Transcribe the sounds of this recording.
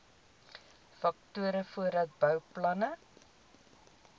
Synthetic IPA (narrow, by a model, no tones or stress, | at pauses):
fɐk̚tuəɾəfuəɾɐt̚bœwplɐnə